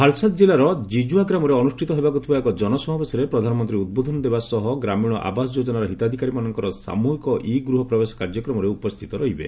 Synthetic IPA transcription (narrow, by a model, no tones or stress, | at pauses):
pʰalsat̪d͡ʒilaɾɔd͡ʒid͡ʒuaɡɾamɔɾeɔnusʈʰit̪ɔɦebakut̪ʰibaekɔd͡ʒɔnɔsɔmabesɔɾepɾɔd̪ʱanɔmɔnt̪ɾiud̪̚bod̪ʱɔnɔd̪ebasɔɦɔɡɾamiɽ̃ɔʔa̰basɔd͡ʒod͡ʒɔnaɾɔɦit̪ad̪ʱikaɾimanɔŋkɔɾɔsa̰muɦikɔʔiɡɾuɦɔpɾɔbesɔ̥kaɾd͡ʒɔkɾɔmɔɾeupɔst̪ʰit̪ɔɾɔɦibḛ